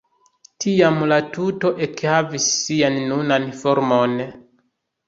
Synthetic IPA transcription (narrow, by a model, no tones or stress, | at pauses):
tʰiamlatuto̞ʔekhavisːianːunanfoɾmon